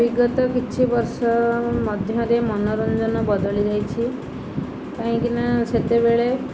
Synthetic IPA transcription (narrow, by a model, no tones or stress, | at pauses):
biɡɔt̪ɔkit͡ʃʰibɔɾsɔmɔd̪ʱjɔ̃ɾemɔnɔɾond͡ʒɔnɔbɔd̪ɔlid͡ʒajt͡ʃʰi | k̪ãɦĩkinaset̪ebeɭe